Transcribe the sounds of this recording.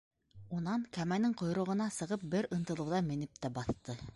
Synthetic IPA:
unɑɴkæmænɘŋqŏjɾɤ̆ʁɤ̆nɑsɤ̆ʁɤp̚bɘɾɤ̆nt̪ɤ̆lˠɤ̆wðɑmɘ̆nɘp̚t̪æbɑθt̪ɤ

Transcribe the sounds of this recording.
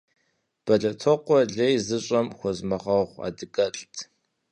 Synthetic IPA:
b̥ɐɮɐtʰɔqʷɔɮejzɨɕʼɐmxʷɔzmɐʁɐχʷa̰ːdɨkʼɐɬʼtʰ

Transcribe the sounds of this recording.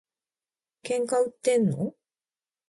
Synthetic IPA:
keŋkawt̪ːenṵ

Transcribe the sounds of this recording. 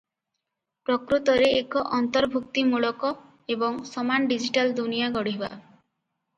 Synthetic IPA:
pɾɔkɾut̪ɔɾeːkɔʔɔnt̪ɔɾbʱuk̚t̪imuɭɔkɔ | ebɔŋsɔmanɖid͡ʒiʈald̪unijaɡɔɽiɦba̰

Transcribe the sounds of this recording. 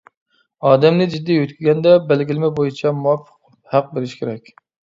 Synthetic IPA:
ɑːd̪ɛmnɪd͡ʒid̪ːijøt̪̚kʲizɡʲɛnd̪ɛbælɡʲilɪmɛbojit͡ʃʰɛmuɑfːə̥q | hæq̚beɾɪʃkʲʰeɾɛkʲ

